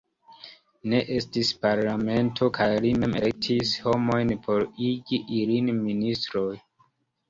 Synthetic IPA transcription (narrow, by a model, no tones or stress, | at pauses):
ne̞ʔe̞stispaɾlame̞ntʰo̞kʰajlime̞melek̚tʰisho̞mo̞jnpʰo̞ɾiɡiʔilinministɾo̞j